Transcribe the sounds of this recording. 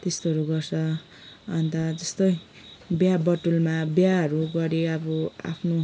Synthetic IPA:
t̪est̪oʌɾuɡʌrsʰʌː | nt̪ʌd͡zʌst̪ʌj | bjabʌʈulmabjaɦʌɾuɡʌɾiʌbʌa̰pʰno

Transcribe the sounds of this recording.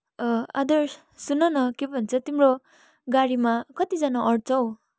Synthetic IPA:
a̰d̪ʌɾs | sunʌnʌkebʱʌnt͡sʰʌt̪imro | ɡaɽimakʌt̪id͡zanaʌrʈt͡sʌw

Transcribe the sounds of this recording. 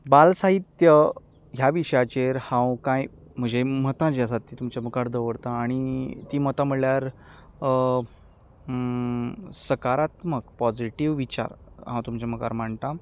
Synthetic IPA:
balsaɦit̪jə | ɦjaʋiʂjat͡ɕeɾhãwkãj | m̤əd͡ʑʱem̤ət̪ãd͡ʑəs̬at̪ːiːt̪umt͡ɕaməkaɾd̪əʋəɽt̪ãːɽ̃it̪iːmət̪aməɭljaɾ | səkaɾat̪məɡpɔd͡ziʈiʋʋit͡ɕa̰ɾɦãwt̪umt͡ɕaməka̰ɾm̤aɳt̪a

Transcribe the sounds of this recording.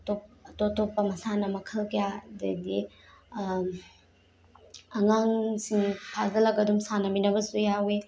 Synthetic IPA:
top̚ɐtotopːɐmɐsanɐmɐkʰɐlkjadɐ̰di | ɐŋaŋsiŋpʰazɐlɐkɐdumsanɐminɐbɐsujawe

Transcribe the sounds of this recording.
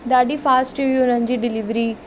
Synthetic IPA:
d̪aːɖiːpʰaːsʈiʋiʊnand͡ʒiːɖɪliʋɾiː

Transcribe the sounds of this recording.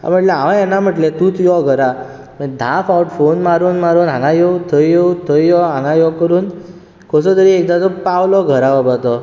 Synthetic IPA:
a̰m̤əʈlɛɦãʋãjɛnːam̤əʈlɛ̃t̪uːt̪ʰujɔɡʱəɾa | məd̪ʱãfawʈfonmaɾuːnmaɾuːnɦãŋɡãjɔwt̪ʰəjjɔwt̪ʰəjjɔɦãŋɡãjɔkəɾuːn | kʰɔsɔt̪əɾiek̚d̪at͡sɔpawlɔɡʱəɾaʋabat̪ɔ

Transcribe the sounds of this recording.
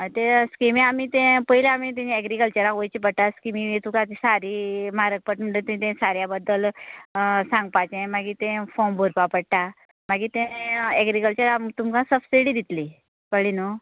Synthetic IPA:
ət̪ẽskimiamit̪ẽpəɦileamit̪̬ẽniɛɡɾikəlt͡ɕəɾãʋojt͡ɕipəɽʈaskimiet̪ukãt̪isaɾimaɾək̚pəʈuɳʈət̪ẽt̪ẽsaɾjabəd̪ːəl | sãŋɡ̚pat͡ɕẽmaɡit̪ẽfɔmbʱoɾpapəɽʈ̪a | maɡit̪ẽɛɡɾikəlt͡ɕəɾamt̪umkãsəfseɽid̪it̪li | kəɭino

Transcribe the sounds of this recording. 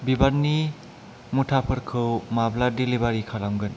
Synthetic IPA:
bibaɾni | mutʰapʰɐɾkʰɯwmabladilibaɾikʰalamɡɯn

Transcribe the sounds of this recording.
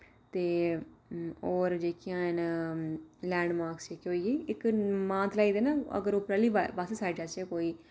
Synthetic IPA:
t̪eː | oːɾd͡ʒeːkʰijãːən | lɛ̃ːɳɖmaːɾksd͡ʒeːkːoːieːɪkmãːt̪laːiːd̪eːnaːə̰ɡəɾʊpɾaːliːbbasesaːɪʈəsekoːiː

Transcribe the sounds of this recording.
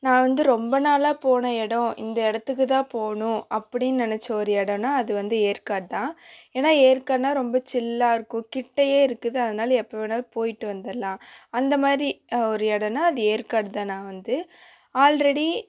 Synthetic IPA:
nãːʋɐnd̪ɯɾɔmbɐnaːlaːpoːɳɐɛɽɐ̃ɪ̰nd̪ɐɛɽɐt̪ːɯkːɯt̪ãːpoːɳʊ̃ɐpːɐɽɪnnɪnɛt͡ʃːɐɔɾɯɛɽɐnaːɐðɯʋɐnd̪ɯeːɾkaːɽt̪ãːeːnaːeːɾkaːɾnaːɾɔmbɐt͡ʃɪlːaːɪɾɯkːʊ̃kɪʈːɐjeːɪɾɯkːɯðɯɐðɐnaːlɐɛpːɐʋenaːpoːjɪʈːɯʋɐnd̪ɐlːãːɐnd̪ɐmaːðɾiɔɾɯɛɽɐnaːɐðɯeːɾkaːɽɯt̪ãːnãːʋɐnd̪ɯ | aːlɾɐɽi

